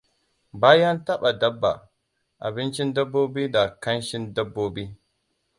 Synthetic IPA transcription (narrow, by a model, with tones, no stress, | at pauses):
baː˦ja˦nta˦ɓa˨da˦bːa̰˨ | ʔa̰˨bɪ˦nt͡ʃi˦nda˦bːo˦bi˦da˨ka˦nʃi˦nda˦bːo˦bi˦